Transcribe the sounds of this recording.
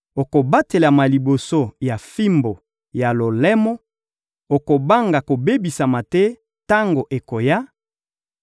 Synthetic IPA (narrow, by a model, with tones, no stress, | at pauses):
o˨ko˨ba˦te˨la˨ma˨li˨bo˨so˦ja˨fi˦mbo˨ | ja˨lo˨lɛ˦mɔ˦ | o˨ko˨ba˦ŋɡa˨ko˨be˦bi˨sa˨ma˨tɛ˦ | ta˦ŋɡo˨ʔe˨ko˨ja˦